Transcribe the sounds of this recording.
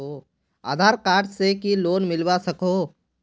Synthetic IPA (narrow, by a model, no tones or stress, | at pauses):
o | a̰ːd̪ʱaːɾkaːʈsekiloːnmɪlwasɐkoː